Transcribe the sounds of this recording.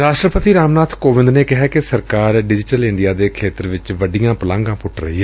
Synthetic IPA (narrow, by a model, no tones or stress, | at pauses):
ɾaːʃʈɾəpət̪iːɾaːmnaːt̪ʰkoːʋɪ̃nd̪neːkɪɦaːkɪsəɾkaːɾɖɪd͡ʒɪʈəlɪɳɖijaːd̪eːkʰeːt̪əɾʋɪt͡ʃʋəɖɪjãːpəlãːŋɡãːpʊʈʰɾə̰ɦiːɦɛ